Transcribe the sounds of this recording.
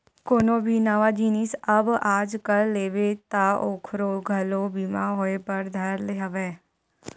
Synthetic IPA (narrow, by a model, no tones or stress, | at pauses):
koːnõbʱinəʋad͡ʒiːnisɐbaːd͡ʒkəlleːʋet̪aoːkʰɾoɡʱɐlobiːmaɦoːepɐɾd̪ʱɐɾleɦəʋeː